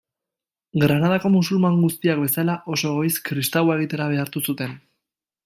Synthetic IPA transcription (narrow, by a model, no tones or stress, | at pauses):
ɡɾanað̞ako̞musulmaŋɡust̪iak̚be̞salaʔo̞so̞ɣo̞jskɾist̪awae̞ɣ̞it̪e̞ɾaβ̞e̞aɾt̪usut̪e̞n